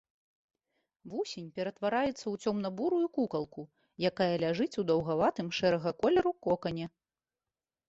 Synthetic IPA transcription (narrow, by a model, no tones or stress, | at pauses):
vusʲɛnʲpʲɛɾɐt̪vaɾajɛt̪sːɐwt͡sʲɔmnɐbuɾujukukɐlˠku | jakajɐlʲaʐɨt͡sʲud̪ɐwɣavat̪ɨmʂɛɾɐɣɐkɔlʲɛɾukɔkɐnʲɛ